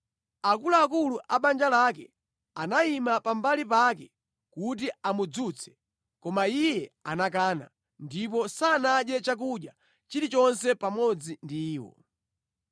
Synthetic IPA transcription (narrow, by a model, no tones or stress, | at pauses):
akulaːkuluʔaɓand͡ʒalakɛ̰ | anaimapambalipakɛ | kut̬iamud͡zut͡sʰɛ̥ | kɔmaijɛanak̬aːna̰ | ndip̬ɔsaːnaɗɛt͡ʃak̬uɗja | t͡ʃiɾit͡ʃɔnsɛpamɔd͡zindiːwɔ̰